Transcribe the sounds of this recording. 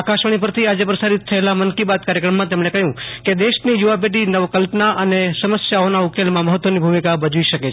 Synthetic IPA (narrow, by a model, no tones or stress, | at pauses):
akaʃəɽ̃ipəɾt̪ʰiad͡ʒepɾəsaɾit̪̚ʰːəelamənkibat̪̚kaɾjəkɾəmːãt̪emɳekəɦjũked̪eʃnijuʋap̬eʈinəʋkəlpnaʔənesəməsjaonaukelmãməɦət̪ːʋənibʱumikabəd͡ʒuiʃəket͡ʃʰ